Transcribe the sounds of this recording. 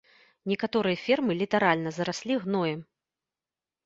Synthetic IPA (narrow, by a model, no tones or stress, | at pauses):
nʲɛkat̪ɔɾɨjɐfʲɛrmɨlʲit̪aɾalʲnɐzɐɾasʲlʲiɣnɔjɛm